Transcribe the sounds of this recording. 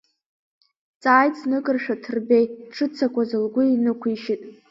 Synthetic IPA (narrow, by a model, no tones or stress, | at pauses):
t͡sʼaːjt͡sʼnɨkʼɨrʃᶣatʰɨrbejʈ͡ʂʰɨt͡sʰakʷʰazɨlɡʷʊinɨkʷʰiʃɪtʼ